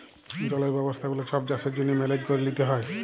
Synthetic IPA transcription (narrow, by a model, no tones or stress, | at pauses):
d͡ʑɔleɾbɛbost̪ʰaɡolet͡ʃɔp̚d͡ʑaseɾd͡ʒonːimɛled͡ʑkoɾelit̪eɦɔe